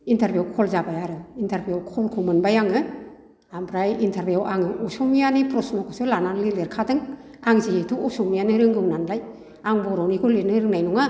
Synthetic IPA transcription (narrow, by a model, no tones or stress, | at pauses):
intʰaɾbjuwkʰɔlzabajaɾɯintʰaɾbiawkʰɔlkʰumɯnbajaŋɯ | ampʰɾajintʰaɾbijawʔaŋɯʔɔsɔŋmijanipɾɔsnɔkʰɔsulananlileɾkʰadɯŋ | aŋzietʰuusɔŋmijanɯɾɯŋɡɯwnanlaj | aŋbɔɾawnikʰɔlenɯɾɯŋnajnɔŋa